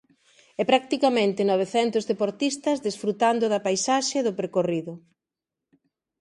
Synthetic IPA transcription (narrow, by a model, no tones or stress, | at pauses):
ɛpɾak̚t̪ikamẽnt̪ɪnɔβ̞eθɛnt̪ʊzðepoɾt̪ist̪ɐzðesfɾut̪and̪ʊðɐpajsaʃeðʊpeɾkoriðʊ